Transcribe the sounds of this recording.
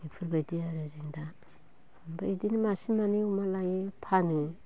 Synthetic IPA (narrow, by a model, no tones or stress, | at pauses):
ipʰɯɾbadiaɾazeŋda | ambaidinimasimaniumalajepʰanɯ